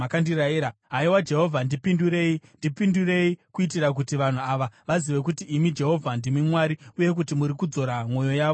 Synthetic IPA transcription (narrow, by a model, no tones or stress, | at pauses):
akandiɾaiɾaɦaiwad͡ʒe̞ɦo̞vʱandipinduɾe̞indipindure̞ikuitiɾak̬utiʋan̤uaʋaʋaziʋe̞kutiʔːmid͡ʒe̞ɦo̞vʱandimimwaːɾiuje̞k̬utimuɾikud͡zo̞ɾamwo̞jo̞jaːʋo